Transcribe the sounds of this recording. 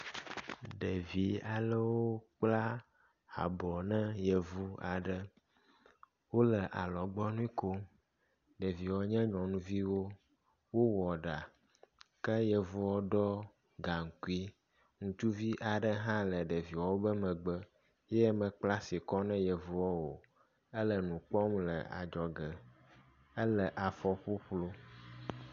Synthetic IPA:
ɖə˨vi˨a˨lə˦wo˦k͡pla˦ | a̰˨bɔ˨nɛ̃˦jə˨vu˦a˨ɖə˦ | wo˦lə˨ʔa˨lɔ˨ɡ͡bɔ˦nũ˦i˦ko˦ | ɖə˨vi˨wɔ˨ɲɛ̃˦ɲɔ̃˨nũ˦vi˦wo˦ | wo˦wɔ˨ɖa˨ | kə˦jə˨vu˦wɔ˦ɖɔ˦ | ɡa˨ŋ̩˨ku˦i˦ | ŋũ˨t̪u˦vi˦ʔa˨ɖə˦ɦã˦lə˨ɖə˨vi˨wɔ˨wo˦bə˦mɛ̃˨ɡ͡bə˦ | jɛ˦ɛ˦mɛ̃˨k͡pla˦si˨kɔ˦nɛ̃˦jɛ˨vu˦ɔ˦wo˨ | ə˦lə˨nũ˨k͡pɔ˦mlə̰˨a̰˨d͡ʒɔ˨ɡə˨ | ə˦lə˨ʔa˨fɔ˦ɸo˦ɸlo˦

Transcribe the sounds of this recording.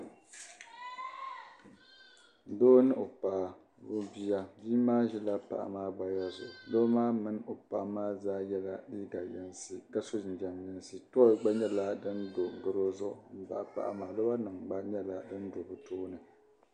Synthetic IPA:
doː˦nɨ˦ʔo˨paː˨ | bʊ˦bi˦ja˦biː˦maː˦ʒɛ˦la˦pa̰˨ʔa̰˨maː˦ɡ͡ba˨ja˦zʊ̰˨ʔlo˦maː˦mɨ˦n˦o˨pa˨ʔmaː˦zaː˦jɛ˦la˦liː˦ɡa˨jɛ˦nsɨ˨ka˦so˦˨n˨d͡ʒa˨mɲɛ˦n˦sɨ˦tɔ˦˨ɡ͡ba˦ɲɛ˦la˦dɨ˦ndo˨ŋ˨ɡɨ˦ɾo˦zʊ˦˨m̩˨ba̰˨ʔa˨pa̰˦ʔa̰˨maː˨lo˦ba˦nɨ˨ŋɡ͡ba˦ɲɛ˦la˨dɨ˦n˦do˨bɨ˨toː˦nɨ˨

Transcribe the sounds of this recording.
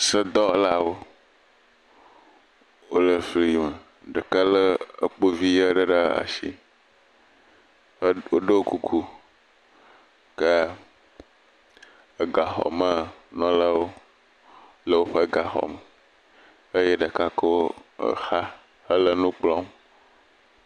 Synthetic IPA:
sə˦d̪ɔ˦la˦wo˦ | wo˦lə˨fi˨˦ji˨mə˨ | ɖə˨ka˦lə˦ə˦k͡po˦vi˦ja˦ɖə˦ɖa˦a̰˨ʃḭ˦ | wo˦ɖə˦o˦ku˦kʰu˦ | ke˦ | e˨ɡa˨xɔ̰˨mə˦˨nɔ̃˦la˦wo˦ | lə˦wo˦ɸe˦ɡa˨xɔ̰˨mə˨ | e˦je˦ɖə˨ka˦kə˦wo˦ə̰˨xa˦ | hə˦lə˦nũ˦k͡plɔ̃˦m

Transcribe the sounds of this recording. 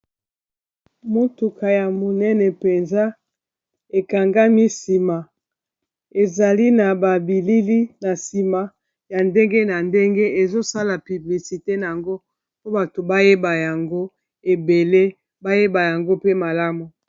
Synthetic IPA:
mo˦tu˨kʰa˨ja˨mo˨nɛ˦nɛ˨pe˨nza˦ | e˨ka˨ŋɡa˦mi˦si˨ma˨ | e˨za˨li˦na˨ba˨bi˨li˦li˦na˨si˨ma˨ | ja˨nde˦ŋɡe˦na˨nde˦ŋɡe˦e˨zo˦sa˦la˨py˨bli˨si˨te˦na˨a˨ŋɡo˦ | po˦ba˨to˨ba˦je˦ba˨ja˨ŋɡo˦ | e˨be˨le˦ | ba˦je˦ba˨ja˨ŋɡo˦pe˦ma˨la˦mu˨

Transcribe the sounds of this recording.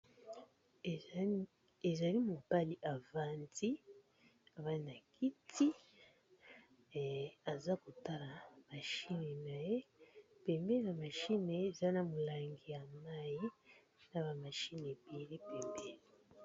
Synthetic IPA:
e˨za˨li˦mo˨ba˦li˦ʔa˨va˦nti˦ | a˨βa˦na˨kʰi˦tʰi˦˨ | a˨za˦ko˨ta˦la˨ma˨ʃi˦ne˨na˨je˦pe˨mbe˦na˨ma˨ʃi˦neː˨za˦na˨mo˨la˨ŋɡi˨ja˨ma˦ji˦ | na˨ba˨ma˨ʃi˦ne˨bi˨˦le˦pe˨mbe˦˨

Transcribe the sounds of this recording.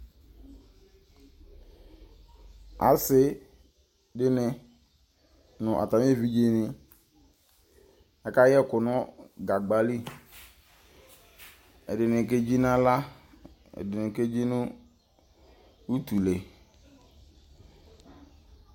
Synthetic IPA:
a̰˨sɪ˦ | dɪ˦nɪ˦ | nʊ̃˨ʔa̰˨ta˨m˦e˦˨vi˦d͡ʒe˨nɪ˦ | ɛ˨ka˦jɛ˦˨kʊ˨nɔ˦ɡa˨ɡ͡ba˨li˦ | ɛ̰˨dɪ˨nɪ˨ke˦d͡ʒi˦na˦la˦ | ɛ̰˨dɪ˨nɪ˨ke˦d͡ʒi˦nʊ˦ | u˦tu˨le˨

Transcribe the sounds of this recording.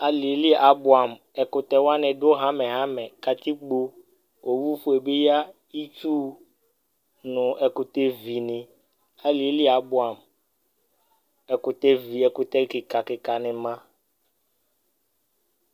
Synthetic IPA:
a˨li˨˦li˦ʔa˨bʊ˨a˨m | ɛ˨kʊ˨t̪ɛ˨wa˦nɛ̃˨ɖo˦ɦã˦mɛ̃˨ɦã˦mɛ̃˨ka˨t̪i˦ɡ͡bo˦ | o˨wu˦ɸo˦e˨be˦ja˦ | i˦t͡ʃu˦ | nʊ̃˨ʔɛ˨kʊ˨t̪e˦vi˨nɪ̃˨ | a˨li˨e˦li˦a˨bʊ˦˨a˨m | ɛ˨kʊ˨t̪e˦vi˨ɛ˨kʊ˨t̪ɛ˦kɪ˨ka˨kɪ˨ka˨nɛ̃˨mã˦

